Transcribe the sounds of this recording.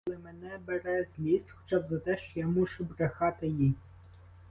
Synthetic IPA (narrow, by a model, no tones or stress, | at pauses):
lˠɪmenɛbeɾɛzʲlʲisʲtʲxɔ̥t͡ʃɑbzɐt̪ɛʃt͡ʃɔjamuʃʊbɾexɑt̪ɪji